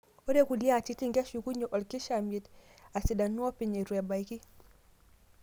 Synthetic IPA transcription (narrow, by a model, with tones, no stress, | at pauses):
ɔ˦ɾɛ˦ku˨li˦a˦˨t͡ʃi˦ti˦ŋɡa˦ʃu˨ku˦ɲɔ˨ʔɔ˨lki˦ʃa˨mi˨ta˨si˨ɗa˨nu˦ɔ˦pi˨ɲɛ˨ɾu˨ja˨ba˨i˦ki˦